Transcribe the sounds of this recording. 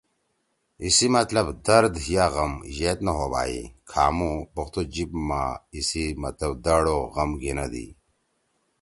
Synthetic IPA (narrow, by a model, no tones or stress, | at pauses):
isimɐt̪lɐbd̪ɐɾd̪ɦijaɣɐmʑet̪nɐɦoːba̰ːḭkʰa̰ːmubɐxt̪od͡ʑib̚maisimɐt̪lɐb̚d̪ɐɽoɣɐmɡinɐd̪ḭ